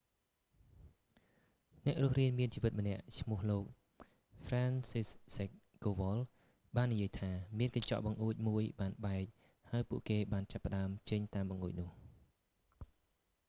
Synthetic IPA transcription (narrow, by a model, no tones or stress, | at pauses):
nɛ̆əʔrŭəhriənmiənt͡ɕiːʋɨt̪̚mə̆nɛ̆əʔt͡ɕʰmŭəhloːk̚ | fraːnsissek̚ | ɡ̥oːʋɑl | ɓaːnːijiəjt̪ʰaːmiənkɑɲt͡ɕɑ̰ʔɓɑŋʔuːc̚muəjɓaːnɓaɛk̚ | haəjpuəʔkeːɓaːnt͡ɕapːə̆ɗaəmt͡ɕəɲt̪aːmɓɑŋʔṵːc̚nʊ̆əh